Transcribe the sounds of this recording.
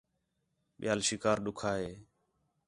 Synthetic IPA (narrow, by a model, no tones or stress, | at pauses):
ɓɪjaːlʃɪkaːɾɗʊkʰaːɦeː